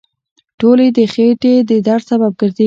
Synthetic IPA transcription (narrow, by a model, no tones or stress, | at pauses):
ʈoled̪əxeʈed̪əd̪aɾsabab̚ɡəɾd̪e